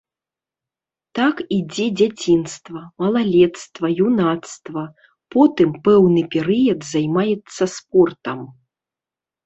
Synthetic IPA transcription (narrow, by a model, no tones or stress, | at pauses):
t̪akid͡zʲɛd͡zʲat͡sʲinst̪vɐmɐlˠalʲɛt̪st̪vɐjunat̪st̪vɐ | pɔt̪ɨmpɛwnɨpʲɛɾɨjɐd̪zajmajɛt̪sːɐsp̚ɔrt̪ɐm